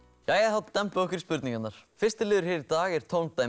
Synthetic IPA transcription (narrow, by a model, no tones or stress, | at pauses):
jajɛθaðt̪ːɛmpʏɔhkvɪɾispʏɾt̪nĩŋkanːaɾ̥fɪrst̪ɪlɪːðʏɾ̥hɛːɾɪɾt̪aːɣɛɾ̥t̪ʰoːwnt̪aː